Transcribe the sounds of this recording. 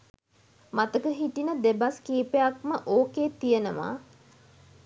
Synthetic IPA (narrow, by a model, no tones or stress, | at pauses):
mat̪əkəɦiʈinəd̪ebaskiːpejakməʔoːkeːt̪ijənəʋa̰ː